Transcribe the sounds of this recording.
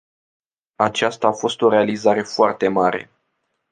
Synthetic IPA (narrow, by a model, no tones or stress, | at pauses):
at͡ʃast̪aːfo̞st̪o̞ɾe̞alizaɾe̞foart̪e̞maɾe̞̰